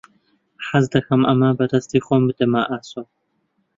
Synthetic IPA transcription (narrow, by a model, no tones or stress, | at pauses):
ħazd̪ɐxɐmʔɐ̰maːbɐdɐst̪iːxʷomɨd̪ɐmaʔaːso